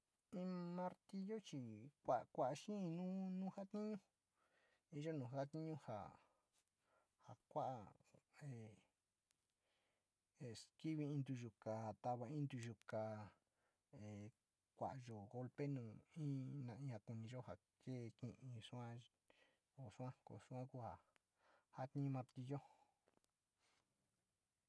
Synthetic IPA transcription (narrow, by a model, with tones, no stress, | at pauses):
ĩ˦mã˧ɾt̪i˧jo˦t͡ʃi˧kʷa˨ʔkʷa˦ʔa˧ʃĩ˦˧nũ˦nũː˦ha˦t̪i˦ɲũ˦ | i˦ʒo˦nũː˨ha˦t̪i˦ɲũ˦ha̰˨ | ha˨kʷa˦ʔa˧e˨ | e˨ski˦βi˧ĩ˧nd̪u˧ʒu˧˨ka˨t̪a˧βa˧ĩ˦nd̪u˧ʒu˧ka˧ | e˨ | kʷa̰˨ʔʒo˨ɣo˧lpe˦nũː˨ĩ˦nã˨ĩ˧ha˧ku˧nĩ˧ʒo˦ha˨ | ke˦˧kĩ˧ʔĩ˧ʂu˦ã˦ | o˨ʂu˦ã˦ko̰˨su˦ã˦ku˦ha˨ | ha˦t̪ĩ˦˧mã˧ɾt̪i˧ʒo˦